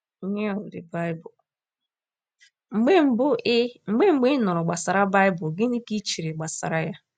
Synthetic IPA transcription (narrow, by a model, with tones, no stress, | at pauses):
ɲe˦ɔ˨ldɪ˨ba˦ɪ˦bʊ˨ | ŋ͡m̩˨ɡ͡be˦m̩˨bʊ˦ŋ͡m̩˨ɡ͡be˦ŋ͡m̩˨ɡ͡be˦nʊ˨ɾʊ˨ɡ͡ba˨sa˨ɾa˦ba˦ɪ˦bʊ˨ɡɪ˦ni˦ki˦t͡ʃi˨ɾi˨ɡ͡ba˨sa̰˨ɾa˦ja˦